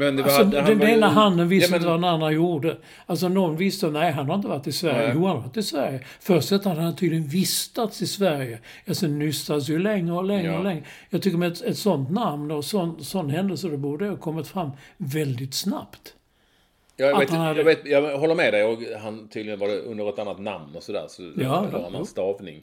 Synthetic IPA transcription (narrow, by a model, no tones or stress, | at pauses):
mɛnasɔɛd̪heːlaɦand̪ənvɪst̪nt̪əvad̪ɛnanːanjuːɖə | als̬ɔnɔnvɪst̪ənɛɪɦanhaɾɪnt̪əvaʈːɪsvæɾjəjuːhanɾat̪ːɪsvæɾjə | fœɾsɛt̪ːhad̪əhant̪ʰiːd̪lɪɡənvɪst̪at̪sɪsvæɾjə | ɛsɛnːʏsːad̪əs̬jʉlɛŋːɾəɔlɛŋəlɛŋːəjɑːɡt̪ʰʏkːəɾmɛt̪ɛt̪sɔnt̪namnɔsɔnsɔnːɦɛnd̪əlsədɛbuːɖəɑkʰɔmːɪt̪fɾamːvɛld̪ɪt̪sna̰pt̪ | jɑːjaaeːt̪hanhad̪vet̪jɑɦɔlːəɾmɛd̪ɛjɔɡhant̪ʰiːd̪lɪɡənvɑdɛʔɵ̰nd̪əɾɛt̪anːat̪na̰mnɔsɔd̪æ̰ːɾsɔjɑːanːa̰nst̪ɑːvnɪ̰ŋ